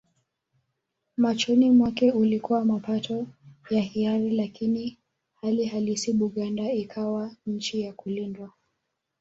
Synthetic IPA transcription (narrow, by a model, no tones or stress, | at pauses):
mat͡ʃɔnimwakɛulikuwamapatʰɔjahiaɾilakini | haliɦalisiɓuɠandaikʰawaɲ̩t͡ʃijakulindwa